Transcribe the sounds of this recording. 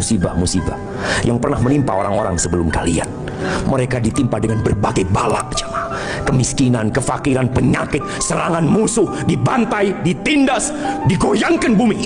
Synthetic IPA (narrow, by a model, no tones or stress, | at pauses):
usiba̰hmusiba̰ | jʔaŋpərnahmənimpa̰oɾaŋoɾa̰ŋsəbəlʊmkalia̰n | məɾekadit̪impadəŋanbərbaɡajbala̰ʔd͡ʒḁma | kəmiskinankəfakiɾanpəɲakɪt̪̚səɾaŋanmusʊhdibant̪ajdit̪indas | diɡojaŋkanbumi